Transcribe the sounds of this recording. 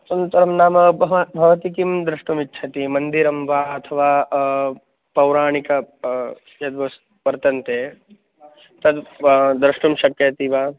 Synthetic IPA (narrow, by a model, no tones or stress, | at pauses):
sɐnt̪ɐɾɐmnaːmɐbʱɐʋɐt̪ikimd̪ɾuʂʈumitːt͡ʃʰɐt̪imɐnd̪iɾɐmʋaːɐt̪ʰɐʋaː | pɐwɾaːɳikɐ | jɐd̪ʋɐs | pɐɾt̪ɐnt̪eː | t̪ɐd̪d̪ɾɐʂʈumʃɐkjɐt̪iʋaː